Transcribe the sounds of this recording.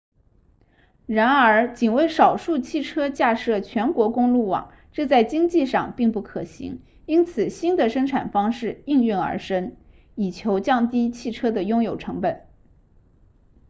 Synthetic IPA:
ɻa˧˥nə˞˧˥t͡ɕi˨˩nwe˥˩ɪʂɑ˨˩ʊʂu˥˧t͡ɕʰi˥˩ʈ͡ʂʰɤ˥t͡ɕja˥˧ʂɤ˥˩t͡ɕʰɥɛ˧˥nkwɔ˧˥kʊ˥ŋlu˥˩wɑ̰˨˩˦ŋ | ʈ͡ʂɤ˥˧t͡sa˥˩ɪt͡ɕi˥ŋt͡ɕi˥˧ʂɑ˥˧ŋpi˥˧ŋpu˥˩kʰɤ˨˩ɕḭ˧˥ŋ | i˥nt͡sʰɹ̩˨˩ɕi˥nd̪ə˨ʂɤ˥ŋʈ͡ʂʰa˨˩nfɑ˥ŋʂɻ̩˥˩i˥˧ŋy˥˩nə̰˞˧˥ʂə˥n | i˨˩t͡ɕʰjo˧˥ʊt͡ɕjɑ˥˩ŋt̪i˥t͡ɕʰi˥˩ʈ͡ʂʰɤ˥d̪ə˨jʊ˥ŋjo˨˩ʊʈ͡ʂʰɤ˧˥ŋpə˨˩n

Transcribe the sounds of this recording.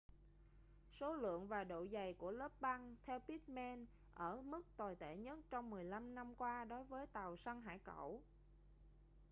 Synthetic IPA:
so˨˦lɨ̰˧˨əŋvaː˨˩ɗo̰˧˨za˨˩jku˧˩ələː˦˥p̚ɓa˧ŋt̪ʰɛ˧wpi˦˥t̚mɛ˧n | ʔəː˧˩mɨ˦˥k̚t̪wa˨˩jt̪e˧˩ɲə˦˥t̚t͡ɕɔ˧wŋ͡mmɨ˨˩əjla˧mna˧mkwaː˧ɗo˨˦jvəː˨˦jt̪a˨˩wsa˧ŋɦa̰ː˧˩jkə̰˧˩˨w

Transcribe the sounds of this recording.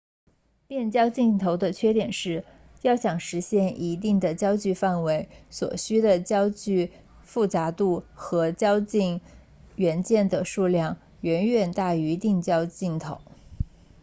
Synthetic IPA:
t̪jɛ˥˩nt͡ɕjɑ˥ʊt͡ɕi˥˩ŋt̪ʰo˧˥ʊd̪ə˧t͡ɕʰɥɛ˥t̪jɛ˨˩nʂɻ̩˥˩ | jɑ˥˩ʊɕjɑ˨˩ŋʂɻ̩˧˥ɕjɛ˥˩nʔi˧˥t̪̬i˥˩ŋd̪ə˩t͡ɕjɑ˥ʊt͡ɕy˥˧fa˥˩nwe˧˥ɪswɔ̰˨˩ɕy˥d̪ə˨t͡ɕjɑ˥ʊt͡ɕy˥˧ | fu˥˩t͡sa˧˥t̪u˥˩xɤ˧˥t͡ɕjɑ˥ʊt͡ɕi˥˩nŋ | ɥɛ˧˥nt͡ɕjɛ˥˩nd̪ə˩ʂu˥˧ljɑ˥˩ŋ | ɥɛ˧˥nɥɛ˨˩nt̪a˥˩y˧˥t̪ɛ˥˩nt͡ɕjɑ˥ʊt͡ɕi˥˩ŋt̪ʰo̰˧˥ʊ

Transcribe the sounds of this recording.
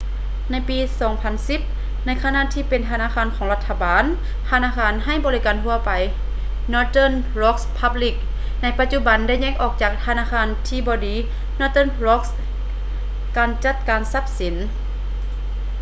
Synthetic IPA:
na˧˥˩jpiː˨˧sɔː˨˦ŋpʰa˧nsi˧˦p̚ | na˧˥˨jkʰa˧na˧˨t̪ʰiː˧pe˨nt̪ʰa˧naː˧˥˨kʰaː˧˥˨nkʰɔː˨˦ŋla˧t̪ʰːa˧baː˨n | t̪ʰa˧naː˧˥˨kʰaː˧nɦa˧˩˨jbɔː˧˨liː˧˩kaː˨nhu˧ɐpa˨j | nɔː˧t̪ɤː˧˥˨n | lɔ˧˥k̚spʰa˧bli˧˩k̚ | na˧˥˩jpa˧t̪̚t͡ɕu˧˩ba˨nda˧˥˩jɲɛː˧˥ŋʔɔː˨˩k̚t͡ɕaː˨˩k̚t̪ʰaː˧naː˧˥˨kʰaː˧˥nt̪ʰiː˧bɔː˧diː˨˦ | nɔː˧˥t̪ɤː˥˨nlɔ˧˥k̚s | kaː˨nt͡ɕa˧˩t̪̚kaː˨nsa˧˥p̚si˨˦n

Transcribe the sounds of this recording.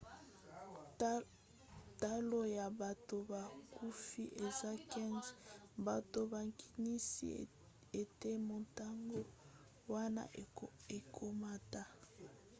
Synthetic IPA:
ta˦lo˦ja˨ba˨to˨ba˨ku˦fi˦ʔe˨za˦kɛ˦nzba˨to˨ba˨ŋkʰi̥˨ni˦sḭ˦ | e˨te˦mo˨ta˦ŋɡo˦ | wa˦na̰˦e˨kʰo˦ma˦ta˦

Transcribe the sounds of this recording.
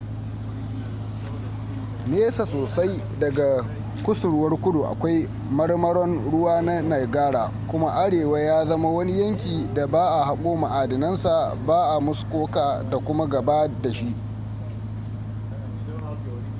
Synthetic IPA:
neː˦sa˨soː˨sa˦j | dɐ˨ɡa˨ | kʷʊ˦sʊ˨ɽwɐ˦rkʷʊ˦du˨ʔa̰˨kʷa˦j | mɐ˦rmɐ˦ɽɔ˦nɽʊ˦waː˦na˦na˨jɡaː˦ɽaː˨ | kʷʊ˦ma˦ʔa˦ɽeː˨wa˦jaː˦zɐ˦ma˦wɐ˦ni˦jɐ˦ŋkʲiː˨da˨baː˦ʔa˨ha˨kʷʼoː˦ma˨ʔa˨dɪ˨nɐ˦nsa˨baː˦ʔa˨mʊ˦skʷoː˦kaː˨da˨kʷʊ˦ma˦ɡɐ˨baː˦da˨ʃi˦ʔ

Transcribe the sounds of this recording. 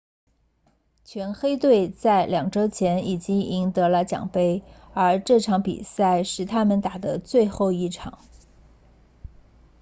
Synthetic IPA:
t͡ɕʰɥɛ˧˥nxe˥ɪt̪we˥˩˧ɪt͡sa˥˩ɪljɑ˨˩ŋʈ͡ʂɤ˥t͡ɕʰjɛ˧˥ni˨˩t͡ɕi˥ŋi˧˥ŋt̪ɤ˧˥lə˧t͡ɕjɑ̰˨˩ŋpe˥ɪə˞˧˥ʈ͡ʂɤ˥˩ʈ͡ʂʰɑ˧˥ŋpḭ˨˩sa˥˩ɪʂɻ̩˥˩t̪ʰa˥mə˨nt̪a˨˩d̪ə˦t͡swe˥˧ɪxo˥˧ʊi˥˩ʈ͡ʂʰɑ̰˨˩˦ŋ

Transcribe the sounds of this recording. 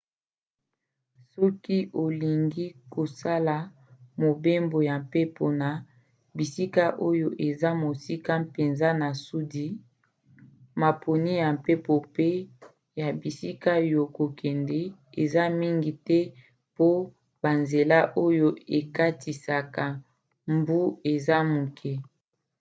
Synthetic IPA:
sɔ˦ki˦ʔo˨li˨ŋɡi˦ko˨sa˦la˨ | mo˨be˦mbo˨ja˨mpe˦pʰo˨na˨ | bi˨si˦ka˦ʔo˦jo˦ʔe˨za˦mo˨si˦ka˦pe˨nza˦na˨su˦di˦ | ma˨pʰo˨ni˦ja˨mpe˦po˨pe˦ | ja˨bi˨si˦ka˦jo˨ko˨kɛ˨ndɛ˨e˨za˦mi˦ŋɡi˨tɛ˦ | po˦ | ba˨nze˨la˦ʔo˦jo˦e˨ka˦tʰi˨sa˨ka˨ | mbu˦e˨za˦mu˨kʰɛ˦

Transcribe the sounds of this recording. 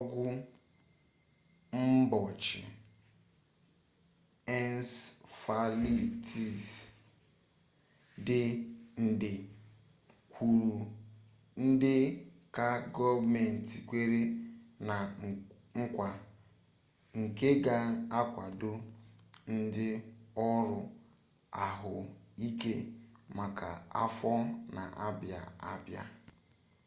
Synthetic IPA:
ɔ˦ɡʷʊ˦ | m̩˦bɔ˨t͡ʃɪ̰˨ | ɛ˦nsfa˨li˦tʰi˨s | dɪ˨n̩˨dɪ˨ | kʷu˨ɾu˨ | n̩˦dɪ˦ka˦ɡɔ˦vme˨n̩˨ti˨kʷe˦ɾe˦na˨ | ŋ̩˦kʷa˨ | ŋ̩˨ke˦ɡa˦a˦kʷa˨dʊ˦ | n̩˦dɪ˦ɔ˦ɾʊ˨ | a˨ɦʊ˨i˦ke˦ma˨ka̰˨a̰˦fɔ˦na̰˨ʔa˦bja̰˨a˦bja̰˦

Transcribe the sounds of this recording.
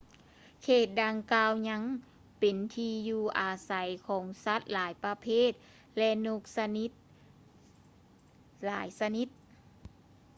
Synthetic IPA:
kʰeː˧˩t̪̚daː˧ŋkaː˧wɲa˧˥ŋ | pe˨˩nt̪ʰiː˧juː˧˩ʔaː˨˩sa˨˩˦jkʰɔː˩˦ŋsa˧˥t̪̚laː˨˩˦jpa˧pʰeː˥˩˨t̪̚ | lɛ˧nu˧k̚sa˧ni˧˦t̪̚ | laː˩˦jsa˧ni˧˦t̪̚

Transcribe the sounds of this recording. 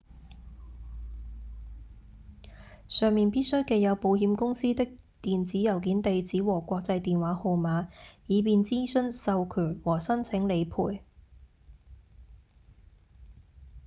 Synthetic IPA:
sœː˨ŋmiː˨npiː˥t̚sɵ˥ɥke˨˧jɐ˨˧wpo˨˧whiː˨˧mkʊ˥ŋsiː˥t̪ɪ˥k̚ | t̪iː˨nt͡siː˨˥jɐ˨˩wkiː˨˥nt̪e˨jt͡siː˨˥wɔː˨˩kʷɔː˧k̚t͡sɐ˧jt̪iː˨nwaː˨˥ho˨˧wmaː˨˥jiː˨˧piː˨nt͡siː˥sɵ˥nsɐ˧wkʰyː˨˩nwɔː˨˩sɐ˥nt͡sʰɪ˨˥ŋle˨˧jpʰuː˨˩j

